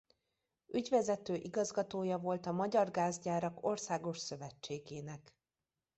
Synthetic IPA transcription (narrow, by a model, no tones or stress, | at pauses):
ʔyɟvɛzɛt̪øːʔiɡɒzɡɒt̪oːjɒvo̞lt̪ɒmɒɟɒrɡaːzɟaːɾɒko̞rsaːɡo̞ʃsø̞vɛt͡ʃːeːɡeːnɛk